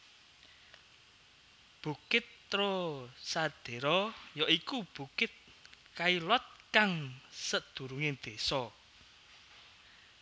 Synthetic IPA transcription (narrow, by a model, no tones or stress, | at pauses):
b̥ukɪt̪ːɾɔsad̪̥e̤ɾɔjɔʔikub̥ukɪt̪̚ | kailɔt̪̚kaŋsəd̪̥ṳɾuŋed̪̥esɔ